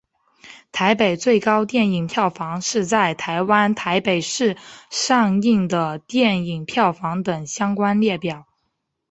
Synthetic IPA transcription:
t̪ʰa˧˥ɪpe˨˩ɪt͡swe˥˩ɪkɑ˥ʊt̪jɛ˥˩ni˨˩ŋpʰjɑ˥˩ʊfɑ˧˥ŋʂɻ̩˥˧t͡sa˥˩ɪt̪ʰa˧˥ɪwa˥nt̪ʰa˧˥ɪpe˨˩ɪʂɻ̩˥˧ʂɑ˥˧ŋi˥˩ŋd̪ə˩t̪jɛ˥˩ni˨˩ŋpʰjɑ˥˩ʊfɑ˧˥ŋt̪ɤ˨˩ŋɕjɑ˥ŋkwa˥nljɛ˥˩pjɑ˨˩˦ʊ

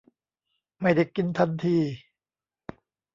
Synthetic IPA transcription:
ma˥˩jda˨˩jki˧nt̪ʰa˧nt̪ʰiː˧

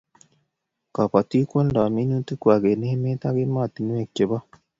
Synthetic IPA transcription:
ka˨pa˨t̪i˦ko˦nda˨mi˦nu˦t̪u˦ku˨a˨ɡe˨ne˦hme˦t̪a˦ɡe˦ma˦˨t̪i˨nũ˦e˨kːe˨ba˦

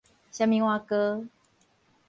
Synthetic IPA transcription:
ɕa˧mĩ˧ŋwa˧kə˦

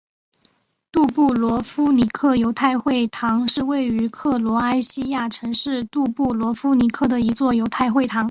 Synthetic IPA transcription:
t̪u˥˧pu˥˩lwɔ˧˥fu˥ni˧˥kʰɤ˥˩jo˧˥ʊt̪ʰa˥˧ɪxwe˥˩ɪt̪ʰɑ˧˥ŋʂɻ̩˥˧we˥˩ɪy˧˥kʰɤ˥˩lwɔ˧˥a˥ɪɕi˥ja˥˩ʈ͡ʂʰɤ˧˥ŋʂɻ̩˥˧t̪u˥˧pu˥˩lwɔ˧˥fu˥ni˧˥kʰɤ˥˩d̪ə˩i˧˥t͡swɔ˥˩jo˧˥ʊt̪ʰa˥˧ɪxwe˥˩ɪt̪ʰɑ˧˥ŋ

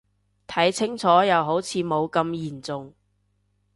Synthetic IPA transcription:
t̪ʰɐ˨˥jt͡sʰɪ˥ŋt͡sʰɔː˨˥jɐ˨wɦo˨˥wt͡sʰiː˨˧mo˨˧wkɐ˧mjiː˨˩nt͡sʊ˨ŋ

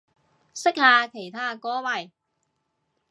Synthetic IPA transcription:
sɪ˥k̚haː˧kʰe˨˩jt̪ʰaː˥kɔː˨˥wɐ˨j

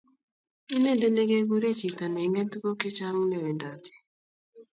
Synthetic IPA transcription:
i˦ne˦nde˦le˦ɡe˦ɡu˦ɾe˦t͡ʃi˨ta˨nɛ˨ŋɛ˦tɡo˦kɪ˦t͡ʃa˦ŋne˦˨we˨nda˨tɛ̥˨

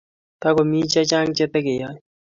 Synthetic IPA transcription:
t̪a˦kɔ˨mi˦t͡ʃa˦t͡ʃa˦ŋt͡ʃɛ˦t̪ɛ˦kɪ˨ja˦

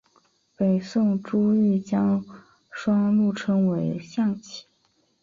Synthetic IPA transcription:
pe˨˩ɪsʊ˥˩ŋʈ͡ʂu˥i˥˩t͡ɕjɑ˥ŋ | ʂwɑ˥ŋlu˥˩ʈ͡ʂʰɤ˥ŋwe˧˥ɪɕjɑ˥˩ŋt͡ɕʰi̥˨˩˦

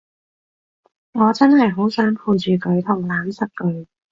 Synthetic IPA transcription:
ŋɔː˨˧t͡sɐ˥nhɐ˨jɦo˨˥wsœː˨˥ŋpʰuː˧t͡ʃyː˨kɵ˨˧ɥt̪ʰʊ˨˩ŋlaː˨˥msɐ˨t̚kɵ˨˧ɥ

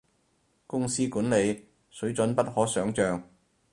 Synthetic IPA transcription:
kʊ˥ŋsiː˥kuː˨˥nle˨˧j | sɵ˨˥ɥt͡sɵ˨˥npɐ˥t̚hɔː˨˥sœː˨˥ŋt͡ʃœː˨˧ŋ

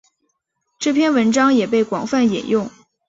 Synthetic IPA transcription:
ʈ͡ʂɤ˥˧pʰjɛ˥˩˧nwə˧˥nʈ͡ʂɑ˥ŋjɛ˨˩pe˥˩ɪkwɑ˨˩ŋfa˥˩njɛ̰˨˩njʊ˥˩ŋ

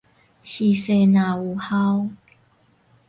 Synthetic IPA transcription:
ɕi˧se˥˧˨na˨˦u˨˦ha˦w

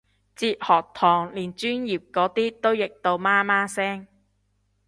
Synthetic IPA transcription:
t͡siː˧t̚hɔː˨˩k̚t̪ʰɔː˨˩ŋliː˨˩nt͡ʃyː˥njiː˨˩p̚kɔː˨˥t̪iː˥t̪o˥wjɪ˨k̚t̪o˧wmaː˥maː˥sɛː˥ŋ

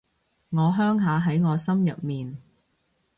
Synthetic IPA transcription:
ŋɔː˨˧ɦœː˥ŋɦaː˨˧ɦɐ˨˥jŋɔː˨˧sɐ˥mjɐ˨p̚miː˨n

